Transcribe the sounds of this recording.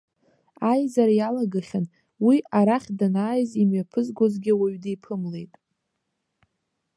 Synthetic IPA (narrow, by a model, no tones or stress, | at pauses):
ajzaɾajalaɡaχʲan | wiʔaɾaχʲdanaːjzimɥapʰɨzɡʷozɡʲɪwaɥdejpʰɨmle̞jtʼ